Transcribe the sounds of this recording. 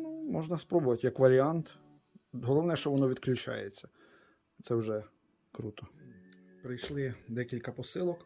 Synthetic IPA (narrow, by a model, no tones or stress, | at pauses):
numɔʒnɐspɾɔbʊʋɐtʲjɐkʋɐɾʲiant̪ | ɦɔlˠɔʋnɛʃt͡ʃɔʋɔnɔʋʲid̪klʲʊt͡ʃa̰jet͡sʲːɐ | t̪sɛwʒɛ | kɾut̪ɔ | pɾɪjʃlˠɪd̪ɛkʲilʲkɐpɔsɪlˠɔk